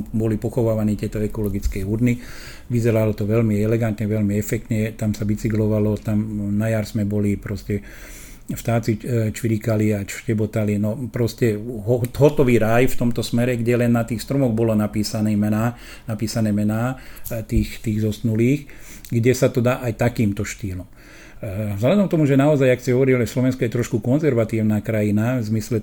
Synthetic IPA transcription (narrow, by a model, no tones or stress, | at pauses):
bɔlipɔxɔʋaːʋaniːt̪ɪɛt̪ɔɛkɔlɔɡit͡skɛuɾni | ʋizɛɾalɔt̪ɔʋɛlmiɛlɛɡant̪ɲɛʋɛlmiɛfɛk̚t̪ɲɛt̪amsaʋit͡siɡlɔʋalɔt̪amnajaɾsmɛbɔlipɾɔscɛ | ft̪aːt͡sit͡ʃʋiɾikaliat͡ʃʃcɛbɔt̪alinɔpɾɔscɛɦɔɦɔt̪ɔʋiːɾajft̪ɔmt̪ɔsmɛɾɛɡɟɛlɛnːat̪iːxst̪ɾɔmɔɣbɔlɔnapiːsanɛmɛnaː | napiːsanɛːmɛnaːt̪iːxt̪iːɣzɔsnuliːx | ɡɟɛsat̪ɔd̪aːʔajt̪akiːmt̪ɔʃt̪iːlɔm | zɦlad̪ɔmt̪ɔmuʒɛnaɔzajaksiɦɔʋɔɾilɛslɔʋɛnskɔjɛt̪ɾɔʃkukɔnzɛɾʋat̪iːʊnaːkɾajinavzmislɛ